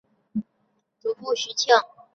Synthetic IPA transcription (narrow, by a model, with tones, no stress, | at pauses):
t̪u˧˥pu˥˩ɕy˧˥t͡ɕʰjɑ˥˩ŋ